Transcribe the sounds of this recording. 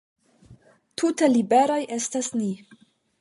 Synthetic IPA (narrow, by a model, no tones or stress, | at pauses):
tʰutelibe̞ɾo̞jʔe̞stasni